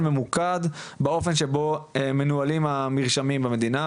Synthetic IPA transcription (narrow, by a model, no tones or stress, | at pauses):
me̞mukad̪beo̞fe̞nʃebo̞eme̞nualimamiʁʃamimbeme̞d̪ina